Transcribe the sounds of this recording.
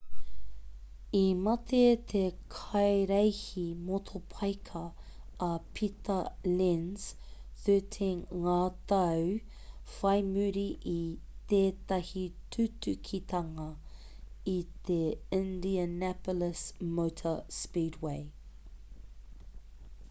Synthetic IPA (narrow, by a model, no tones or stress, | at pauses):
imɐt̪ʰet̪ʰekʰɐjɾejhimotʰopʰɐjkʰɐː | pʰit̪ɐlɪns | θøt̪ʰeŋaːt̪ɐw | fɐjmʉɾiʔit̪eːt̪ɐhitʰʉtʉkʰit̪ʰɐŋɐ | it̪eɪ̃nd̪iənæpoləsmowtʰəspiːdweɪ